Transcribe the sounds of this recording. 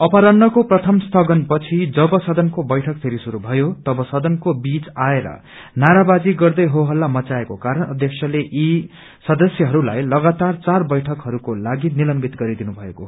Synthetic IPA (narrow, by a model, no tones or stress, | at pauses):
ʌpaɾʌnːʌkoprʌt̪ʰʌmst̪ʰʌɡʌnpʌt͡sʰid͡zʌbʌsʌd̪ʌnkobʌjʈʰʌk̚pʰeɾisuɾubʱʌjot̪ʌbʌsʌd̪ʌnkobit͡saeɾʌ̰ | naɾabad͡ziɡʌrd̪ʌjɦoɦʌlːamʌt͡saekokaɾʌnʌd̪jʌksʰjʌleʔi | sʌd̪ʌsjʌɦʌɾula̰jlʌɡat̪art͡sarbʌjʈʰʌkɦʌɾukolaɡinilʌmbit̪ɡʌɾid̪inubʱʌeko